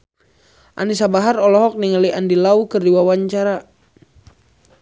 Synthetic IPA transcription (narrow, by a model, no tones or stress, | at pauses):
ʔa̰nisabaɦarɔlɔɦɔk̚niŋaliʔandilaukərdiwawaɲt͡ʃaɾa